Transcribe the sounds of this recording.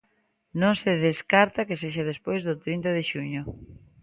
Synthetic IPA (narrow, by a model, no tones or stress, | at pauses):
nõŋseðeskaɾt̪akeseʃ̬aðespojzðʊt̪ɾint̪aðeʃuɲʊ